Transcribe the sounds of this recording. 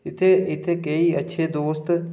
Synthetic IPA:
ɪt̪ʰeɪt̪ʰekəiɐtːʃʰed̪oːst̪

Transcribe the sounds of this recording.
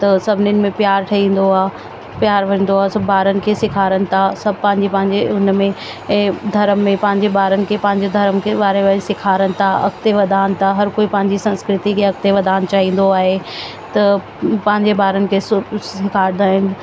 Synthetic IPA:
t̪ɐsɐbʱɪnɪn̆mẽpjaːɾʈʰɐĩːn̆d̪oaː | pjaːɾʋɐ̃n̆d̪oaːsɐbːaːɾənɪ̆kʰesɪkʰaːɾənɪ̆t̪ʰasɐbʱpɐ̃ɦɪ̃ɲd͡ʑepɐ̃ɦɪ̃ɲd͡ʑeʊnmẽ | d̪ʱɐɾəmːẽpɐ̃ɦɪ̃ɲd͡ʑebaːɾənɪ̆kʰepɐ̃ɦɪ̃ɲd͡ʑed̪ʱɐɾəmkʰeʋaːɾeʋasɪkʰaːɾənɪ̆t̪ʰaɐ̰kt̪eʋɐd̪ʱaːnɪ̆t̪ʰaɦɐɾkoːipɐ̃ɦɪ̃ɲd͡ʑisɐ̃nskɾɪt̪ikʰeɐk̚t̪eʋɐd̪ʱaːnt͡ɕaːɦĩːn̆d̪oaːɦe | t̪ɐ | pɐ̃ɦɪ̃ɲd͡ʑebaːɾənɪ̆kʰesʊsɪkʰaːɾɪd̪aːɦɪnɪ

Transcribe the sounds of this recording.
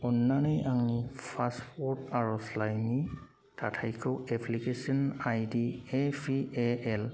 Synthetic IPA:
ɔnːanɔjʔaŋnipʰaspɔɹtaɹɔslajni | tʰatʰajkʰɔɛpʰlikesiɔnajdiɛpʰiɛɛl

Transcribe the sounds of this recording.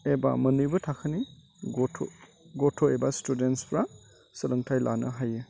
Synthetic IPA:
eba̰mɐnɯjbɯtʰakʰɯni | ɡotʰo̰ | ɡotʰoebastudentspʰɾa | sɐlɯŋtʰajla̰nɯɦajɯ

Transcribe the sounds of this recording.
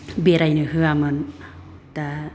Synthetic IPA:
beɾajnɯɦɯamɯn | t̪a

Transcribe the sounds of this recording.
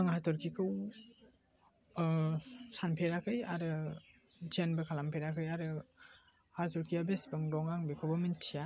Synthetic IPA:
aŋatʰɔɾkʰikʰɯw | sanpʰeɾakʰɯjaɾɯ | d͡ʒenbɐkʰalampʰeɾakʰɯjaɾɯ | hatʰɔɾkʰiabesbaŋɾɔŋaŋbekʰobamentʰːija

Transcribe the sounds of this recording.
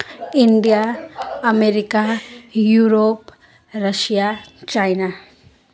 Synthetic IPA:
indiaː | meɾikajuɾop | ɾaʃiat͡ʃajna

